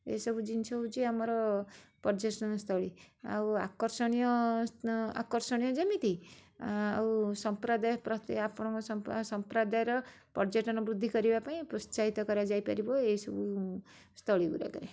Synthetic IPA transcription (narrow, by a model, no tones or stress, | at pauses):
ḛsɔbʱud͡ʒint͡ʃʰɔut͡ʃʰiamɔɾɔpɔɾd͡ʒesɔnst̪ʰɔɭia̰wa̰kɔɾsɔɽ̃ijɔ | a̰kɔɾsɔɽ̃ijɔd͡ʒɔmit̪i | a̰wsɔmpɾad̪ajpɾɔt̪eapɔɽ̃ɔ̃ŋkɔsmsɔmpɾad̪ajɾɔ | pɔɾd͡ʒeʈɔnɔbɾud̪ʱːikɔɾibapaĩpɾɔt͡ʃaɦit̪ɔkɔɾad͡ʒajpaɾibɔeisɔbu | st̪ʰɔɭikṵɾa̰ɡɔɾe